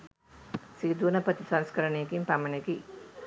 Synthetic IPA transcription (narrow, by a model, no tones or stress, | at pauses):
siːd̪unɐpət̪isanskɐɾɐnejeɡimpamɐneɡi